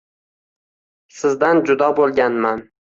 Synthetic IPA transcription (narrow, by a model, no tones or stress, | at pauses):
sɪzd̪and͡ʒʊd̪ɒbolˠɡʲanman